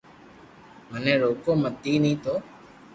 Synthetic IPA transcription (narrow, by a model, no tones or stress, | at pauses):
mənẽːɾoːkoːmət̪ːiːnəĩːt̪oː